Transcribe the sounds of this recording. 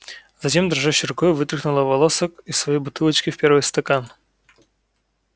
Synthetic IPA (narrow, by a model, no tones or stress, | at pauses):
z̥ɐtʲe̞md̪ɾɐʐaɕːɪɾʊkojvɨt̪ɾɨxnʊlˠəvɐlˠosəkisːvɐjejbʊt̪ɨlˠət͡ɕkʲɪfpʲeɾvɨjst̪ɐkan